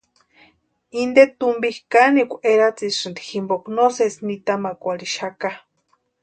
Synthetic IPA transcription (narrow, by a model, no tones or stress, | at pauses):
ind̪et̪umbihkanikʷʔeɾat͡siʂɨnd̪i̥ximboknosesnit̪amakʷaliʃaka